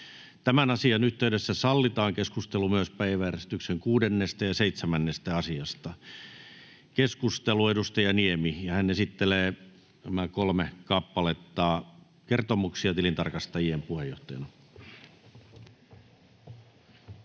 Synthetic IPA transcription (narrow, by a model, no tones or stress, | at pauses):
t̪æmænɑsiɑnyht̪eydɾesːæsɑlːit̪ɑːŋkeskust̪elumyøspæiʋæjærest̪ykseŋkuːdenːest̪æjɑseit̪semænːest̪æɑsiɑst̪ɑ | keskust̪eluedust̪ɑjɑniemijɑhænesit̪ːeleː | næmækolmekɑpːɑlet̪ːɑː | kert̪omuksiɑt̪ilint̪ɑ̰rkɑst̪ɑjiempuhejoht̪ɑjɑ̰nɑ